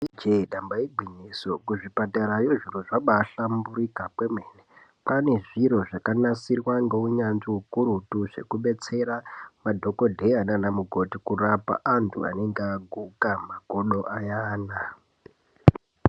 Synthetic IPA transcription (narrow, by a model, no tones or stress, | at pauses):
id͡ʒeɗambaibʱinisokuʐipataɾajoʐiroʐaɓaːɬambuɾikapwemeːne | pane̞ʐiɾo̞ʐakanasirwaŋɡe̞uɲanʐiukuɾutuʐe̞̰kuɓe̞t͡se̞ɾamadʱo̞ko̞dʱe̞ananamuɡʱo̞tikurapa̰ʔantʰṵa̰ne̞ŋɡeaɡʱukamaɡʱoɗo̞ʔajaːna